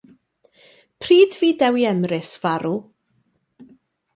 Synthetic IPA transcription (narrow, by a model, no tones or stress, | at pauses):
pʰriːdviːdɛwiɛmrɪsv̥aɾu